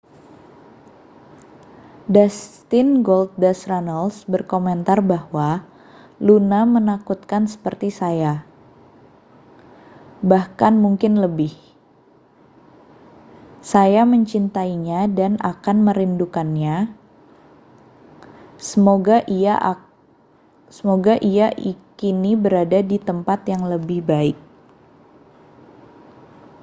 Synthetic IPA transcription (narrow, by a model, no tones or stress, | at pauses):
dast̪ɪnɡolt̪̚dasranalsbərkomɛnt̪arbahwa | lunamənakut̪̚kansə̥pərt̪isaja | bahkanmuŋkɪnləbɪh | sajaməɲt͡ʃint̪aiɲadana̰kanməɾindukanɲa | səmoɡaʔi | səmoɡaʔiaʔikinibəɾadadit̪əmpat̪jaŋləbɪhbaɪk̚